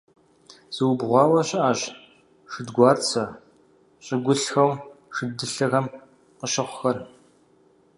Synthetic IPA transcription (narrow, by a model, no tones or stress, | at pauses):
z̥ɨwbʁʷɑːwɐɕʼaːɕ | ʂɨdɡʷɑːrt͡sʰɐ | ɕʼɪɡʷʊɬxɐwʂɨdɨɬɐɣɐm | qəɕɐχʷʊxɐr